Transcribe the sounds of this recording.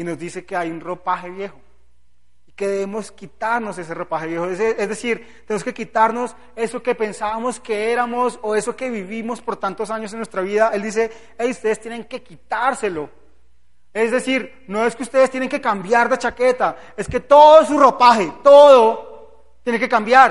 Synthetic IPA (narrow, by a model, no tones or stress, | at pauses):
ino̞zd̪ise̞ke̞ajunro̞paxe̞βje̞xo | ike̞ðeβemo̞skit̪aɾno̞s̬e̞s̬ero̞paxeβje̞xoeezd̪e̞siɾt | t̪enemoske̞kit̪aɾno̞s | e̞so̞ke̞pe̞nsaβamo̞ske̞e̞ɾamosoe̞so̞ke̞βiβimo̞spo̞ɾt̪ant̪o̞saɲo̞s̬enwe̞st̪ɾaβiðaʔe̞ld̪is̬e̞ | ejust̪eðest̪jene̞ŋke̞kit̪aɾse̞lo̞ | e̞zd̪esiɾ | no̞e̞skeust̪eð̞est̪jeneŋke̞kambjaɾd̪e̞t͡ʃake̞t̪a | e̞ske̞t̪o̞ðos̬uro̞paxe̞t̪o̞ðo̞ | t̪jene̞kekambjaɾ